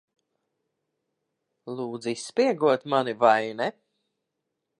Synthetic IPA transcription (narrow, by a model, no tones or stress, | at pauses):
lˠuːd̪zisːpiɛɡuɔt̪manivajnɛ